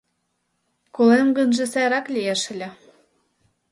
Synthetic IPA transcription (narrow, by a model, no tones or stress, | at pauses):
kolemɡɤ̆nʒĕsæjɾɑklʲijeʃɘ̆lʲĕ